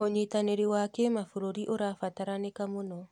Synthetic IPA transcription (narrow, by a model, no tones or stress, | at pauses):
oɲetaneɾewakɛmafoɾoɾiʔoɾafataɾanekamonɔ